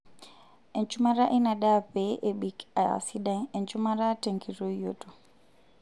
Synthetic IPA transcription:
ɛ˨nt͡ʃuma˦ɾa˦ʔi˦na˨ɗapɛʔeɓi˨ka˨a̰˨siɗa˦ŋɛ˨nt͡ʃu˦ma˦ɾa˦teŋɡiɾojoto˨

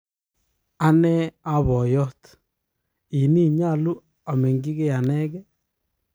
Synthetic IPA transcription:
a˦nɛ˦a˦βɔ˨jɔ˦t | i˨ni˦ɲa˦˨lu˦ | a˨me˨ŋɡi˦ɣe˦ja˨nɛ˦ɣɛ˦

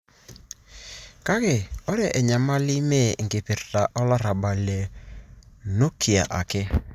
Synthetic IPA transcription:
ka˦kɪ˨ɔ˦ɾɛ˨ʔɛ˨ɲa˨ma˦lɪ˦me˦˨ŋ˨ɡɪ˨pɪ˨ɾta˨ʔɔ˦la˦ɾa˨ba˨le˨ | no˦kʰi˨a̰˨ʔa̰˨kɪ˦

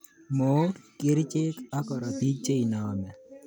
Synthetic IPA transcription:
mo˨˦kɪ˦ɾt͡ʃɪ˦ka˦kɔ˨ɾɔ˨t̪i˦t͡ʃːe˦i˨nɔ˨mɛ˨

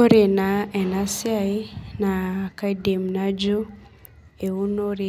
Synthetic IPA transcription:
o˦ɾe˨na˨ɛ˨na˦siai˦na˨ka˦ide˨mna˦d͡ʒu˦ | e˨u˦no˦ɾe

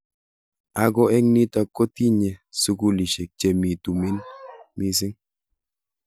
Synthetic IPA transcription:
a˦ɡɔ˦ɛ˦ŋni˦ta˨ko˦ti˦ɲɛ˨su˦ku˦li˨ʃe˨k̚t͡ʃe˨mi˨tu˨mi˦nmi˦s̬ɪ˦ŋ

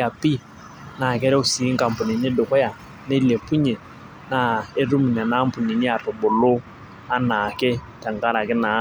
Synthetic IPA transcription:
a˨pi˦ | na˨kɛ˦ɾɛ˦ʊ˦˨si˨˦ŋ˦ka˨m˨pʊ˨ne˨ne˦dʊ˨kɔ˦ja˨ | ne˦le˨pu˦ɲe˨ | na˨e˦ɾu˦mi˨nɛ˨na˦mpʊ˨ni˨ni˦a˨tʊ˨bʊ˨lo˦ | a˦na˨kɛ˦ | tɛ˨ŋka˦ɾa˨kɪ˦na˨˦

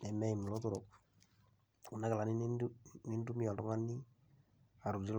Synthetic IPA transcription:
nɛ˨mɛ˦i˨mːu˨lo˦tu˦ɾo˨ | u˨na˦ka˨la˨ni˦ni˦ndu˦mi˦jɔ˨tɔ˦ŋa˦nːi˦ | a˨ɾu˨di˦l

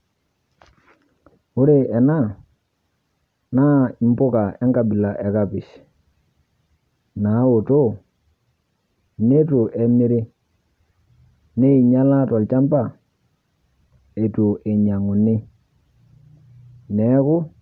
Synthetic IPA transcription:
u˦ɾe˨ɛ˨na˦˨ | na˦i˨m˦pʊ˦ka˨ʔɛ˦ŋka˨bi˨la˨ʔɛ˨ka˦pɪ˨ʃ | na˨˦wo˨to˦ | ne˦tu˨ʔe˨mi˦ɾi˦ | ne˦i˨ɲa˦la˦tɔ˨lt͡ʃa˦mpa˨ | e˨tu˨ʔe˨ɲa˨ŋu˨nɪ˦ | nɛ˨˦kʊ˦

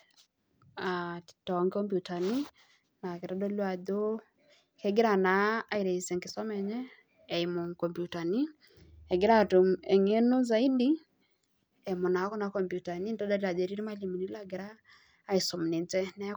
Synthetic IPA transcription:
ḁtɔ˨ŋkɔ˦mpju˨ta˨ni˦ | na˨ke˨ɾa˦do˦lwa˨do˦ | kɛ˦ɡɪ˦ɾa˨na˨˦a˦i˨ɾe˨i˨sɛ˨ŋkɪ˨sɔ˦mɛ˨ɲɛː˦˨ | i˨mo˨ŋkɔ˨mpju˨ta˨ni˦ | ɛ˨ɡɪ˦ɾa˦tu˨mɛ˨ŋe˦no˦za˨i˦di˦ | ɛ˨mo˨na˨˦kɔ˦na˨˦kɔ˨mpju˨ta˨ni˦ntɔ˦da˦ɾia˨de˨ɾi˦ɾi˦ma˦li˨mi˨ni˦la˦ɡɪ˨ɾaː˦ | i˨sɔ˨m˨nɪ˨nt͡sɛ˦nɛ˦

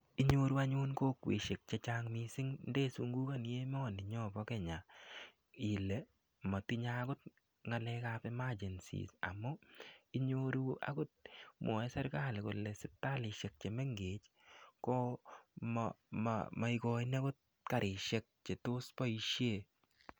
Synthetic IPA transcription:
i˦ɲo˦ɾu˦a˦ɲʊ˦nkoː˦kwḛ˨ʃe˨k̚t͡ʃe˧t͡ʃaŋmisɪ˦ŋndeː˦su˨ŋɡu˦ka˦n˨je˦m˦ɔ˨nɪ˨ɲɔ˦bɔ˦kɛ˦ɲa˨ | ɪ˨le˨ | mɔ˨ti˦ɲa˦kʊ˦t̚ | ŋa˨lɛ˦ka˦pe˦ma˦d͡ʒɛ˨nsḭsa̰˨mɔ˦i˦ɲoɾu˦a̰kʊ˦t̚mɔ˨ɛ˦sɛ˦ɾka˦lko˨lɛ˨sɪ˨tːa˦lɪ˨ʃe˨k̚t͡ʃe˨mɛ˦ŋɡeː˨t͡ʃ | ko˦mm̰ma˨i˧kɔ˨ine˦kʊ˦t̚ | ka˨ɾʔɪ˨ʃe˦k̚t͡ʃe˨tʊ˦spɔ˦iʃje˦˨

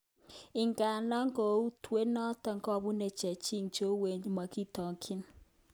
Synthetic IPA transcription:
ɪ˨ŋɡa˨nɔ˦ŋkɔ˨u˦twe˦nɔ˦tɔ˨ŋkɔ˦˨bu˦ne˨t͡ʃɛ˨t͡ʃi˦ŋt͡ʃo˦we˨ɲ˦ma˨ki˦tɔ˨ŋkʰɪ˦n

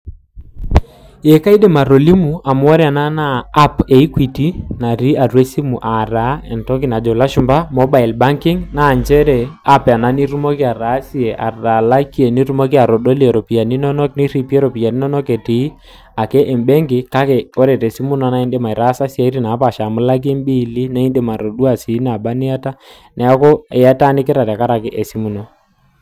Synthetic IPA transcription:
e˨ka˦i˦de˨ma˨ɾo˨li˦mu˨a˨m˦ɔ˦ɾɛ˦a˨na˦naː˦pe˨i˦kwi˨ti˦na˨ɾi˦a˨ɾwe˦si˦mu˨ʔa˨ɾa˨˦ɛ˨ntɔ˦ki˦na˨d͡ʒɔ˨la˦ʃʊ˦mba˦mɔ˦ba˨i˨lba˦ŋkɪ˦ŋna˦˨ɲd͡ʒɛ˦ɾɛ˨a˦pa˨na˦ni˦ɾu˦mo˦ki˦a˨ɾa˨˦si˦e˨ʔa˨ra˨la˦ki˦e˨ni˦ɾu˦mo˦k̬i˦a˨ɾo˨do˦li˦e˨ɾo˨pi˨ja˨ni˦nɔ˦nɔ˦kni˦ɾi˦pi˦e˦ɾo˨pi˨ja˨ni˦nɔ˦nɔ˦ke˨ti˨i˦ | a˨ke˦ʔe˨mbɛ˦ŋɡɪ˨ka˦ke˨o˦ɾe˨te˨si˦mu˦nɔ˨na˦i˦nde˦ma˨i˨ɾa˦sa˦si˦a˨i˦ɾi˦˨na˨˦pa˨ʃa˨mʊ˦la˦k̬e˦mbi˦˨li˦na˦i˦nde˦˨ma˨ɾo˨du˦a˨si˨˦na˨ba˦ni˦a˦ta˦ | nɛ˦a˦ko˦ɛ˨ja˦ta˦nɪ˦kɪ˦ɾa˨ta˨ka˦ɾa˨kɪ˦ʔe˨si˦mu˨no˦

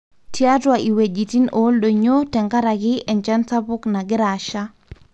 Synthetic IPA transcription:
ti˦a˦twai˨we˨d͡ʒi˨ti˦no˦lɗo˨ɲo˦tɛ˨ŋka˦ɾaɡɪ˦ʔɛ˨nt͡ʃa˦nsa˦pʊ˦kna˨ɡɪ˦ɾaʃa

